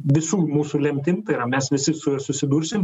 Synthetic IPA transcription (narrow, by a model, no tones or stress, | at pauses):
ʋʲɪsuːmuːsuːlʲɛmʲt̪ʲɪnt̪ɐɪɾɐmʲɛsʋʲɪsʲɪsʊjoːsʊsʲɪd̪uːɾʲsʲɪm